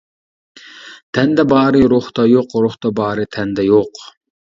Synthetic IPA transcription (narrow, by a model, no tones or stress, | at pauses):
t̪ʰɛnd̪ɛbɑːɾɨɾoχt̪ɑjoqɾoχt̪ɑbɑːɾɨt̪ʰɛnd̪ɛjoq